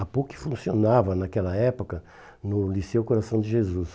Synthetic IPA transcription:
apukɪ̥fũsionavɐnakɛlɐɛpokɐ | nʊlisewkoɾasɐ̃w̃d͡ʒɪʒezus

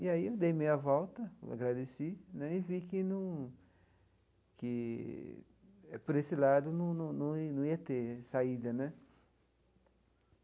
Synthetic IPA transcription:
iaiewd̪ejmejɐvɔwt̪ɐa̰ɡɾad̪esinɛ̃ivikɪnũ | kɪ | ɛpoɾesɪlad̪ʊnũnɐ̃nɐ̃nɐ̃w̃iɐt̪esaid̪ɐnɛ̃

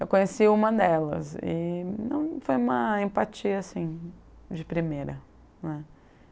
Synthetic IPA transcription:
ewkõɲesiũmɐd̪ɛlɐ̰sɪ̰nɐ̰̃w̃fojũmɐẽpat͡ʃiɐasĩ | d͡ʒɪpɾimejɾɐ | nɛ

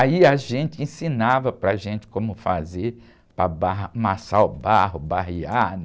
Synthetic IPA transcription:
aiɐʒẽnt͡ʃɪẽsĩnavɐpɾɐʒẽnt͡ʃɪ̥kõmʊfazeɾ | pɾɐbamasaʊbaɦʊbaɦia

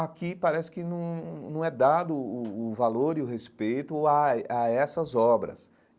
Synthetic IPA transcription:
akipaɾɛsɪ̥kɪnɐ̃w̃nɐ̃w̃ɛd̪ad̪ʊːvaloɾiʊhespejt̪ʊaaɛsɐzɔbɾɐ̰s

